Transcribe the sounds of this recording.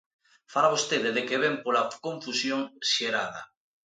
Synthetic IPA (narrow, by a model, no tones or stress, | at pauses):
faɾaβost̪eðeðekeβ̞empolakõɱfusjoŋʃeɾaða̰